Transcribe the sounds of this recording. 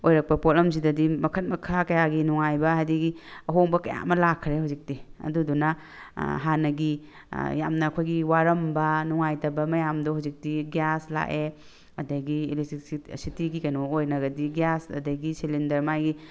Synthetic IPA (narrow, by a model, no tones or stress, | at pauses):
ojɾɐk̚pɐpolɐms̬idɐdimɐkʰɐt̚mɐkʰakɐjaɡinuŋajbɐɦajdiɡiɐɦoŋbɐkɐja̰mɐlakʰːɾeɦawzik̚tiɐ̰dudunɐ | ɦanɐɡi | ja̰mnɐːkʰojɡiwaɾɐmbɐnuŋajtɐbɐmɐjamdohawzik̚diɡjasla̰ʔe | mɐdɐɡiiliisitiɡikɐnoojnɐɡɐdiɡjasɐ̰dɐɡisilindɐɾmajɡi